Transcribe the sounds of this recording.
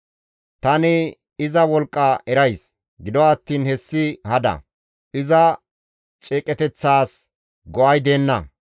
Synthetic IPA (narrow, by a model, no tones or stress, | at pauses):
t̪ɐnɪ | ɪzɐwɔlkʼːɐɛɾɐjs | ɡɪd̪ɔːt̪ːiːnhɛsːɪhɐd̪ɐ̰ | ʔɪzɐ | t͡ʃʼeːkʼɛt̪ɛt͡sːaːs | ɡɔʔɐjd̪e̞ːnːɐ̰